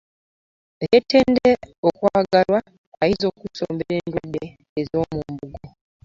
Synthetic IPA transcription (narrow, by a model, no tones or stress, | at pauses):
ɣeteːndeokwaːɡalwa | aizo̞ːkuso̰ːmbeɾeːndwadeː | zo̞ːmumbuɡo